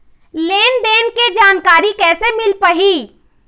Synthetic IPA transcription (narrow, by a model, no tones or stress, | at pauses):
leːnd̪eːnked͡ʒaːnkaːɾikɛːsemɪlpəɦi